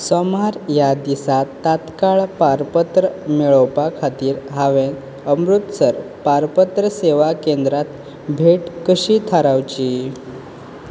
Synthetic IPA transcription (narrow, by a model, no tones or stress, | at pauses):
sɔmaɾjad̪isat̪ːat̪kaɭpaɾpət̪ɾəmiɭəwpakʰat̪iːɾɦaʋẽn | əmɾut̪səɾpaɾpət̪ɾəseʋakend̪ɾat̪ | bʱeʈkəɕiːt̪ʰaɾawt͡ɕi